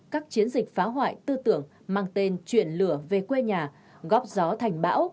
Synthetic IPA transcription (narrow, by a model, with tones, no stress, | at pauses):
kaː˦˥k̚t͡ɕi˨˦ənzï˨˩k̚faː˨˦ɦwa̰ː˧˨jt̪ɨ˧t̪ɨ̰˧˨əŋ | maː˧˩ŋt̪e˧nt͡ɕwḭ˧˨ənlɨ̰˧˩əve˨˩kwe˧ɲaː˨˩ | ɣɔ˦˥p̚zɔ˨˦t̪ʰɛ˨˩jŋ̟ɓa̰ː˧˥w